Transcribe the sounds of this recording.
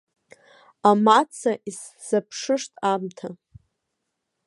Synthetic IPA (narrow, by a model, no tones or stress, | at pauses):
amat͡sʰaʔis | z̥apʰʂɨʂtʼamtʰa